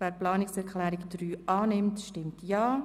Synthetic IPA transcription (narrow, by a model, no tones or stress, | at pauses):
vɛːɾplɑːnɪksɛɾkʰlɛːɾɪɡd̥ɾyːʔɑːnɪmtʃtɪmtʰjɑː